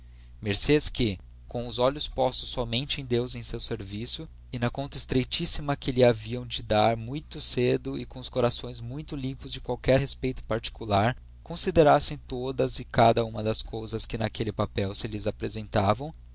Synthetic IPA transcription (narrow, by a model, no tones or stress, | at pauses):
meɾseskɪ | kõw̃ʊzɔʎʊspɔst̪ʊ̥sːɔmẽnt͡ʃɪẽj̃d̪ewzẽj̃sewseɾvisʊ | ɪnɐkõnt̪ɐist̪ɾejt͡ʃisimɐkɪlɪaviɐ̃w̃d͡ʒɪd̪aɾmũj̃t̪ʊsed̪ʊɪkõʊskoɾasõj̃zmũj̃t̪ʊlĩpʊzd͡ʒɪkwawkɛɾhespejt̪ʊ̥paɾt͡ʃi̥kulaɾ | kõsid̪eɾasẽj̃t̪od̪ɐzɪkad̪ɐũmɐd̪ɐskowzɐskɪnɐkelɪpapɛwsɪlɪzapɾezẽnt̪avɐ̃w̃